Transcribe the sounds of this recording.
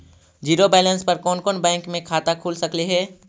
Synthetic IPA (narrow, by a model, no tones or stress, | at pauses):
d͡ʒiːɾobɛːlə̃nspɐɾkɔːnkɔːnbɛ̃ːŋkmẽkʰaːt̪akʰuːlsɐkliɦɛː